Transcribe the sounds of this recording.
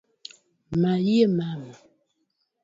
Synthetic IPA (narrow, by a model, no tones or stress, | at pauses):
majjemama